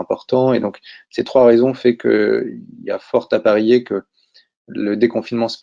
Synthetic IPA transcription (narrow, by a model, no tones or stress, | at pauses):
ɛ̃pɔʁt̪ɑ̃ed̪ɔ̃kset̪χwaʁezɔ̃fɛkʰə̰ilia̰fɔʁt̪apaʁejekə | ləd̪ekɔ̃finmɑ̃s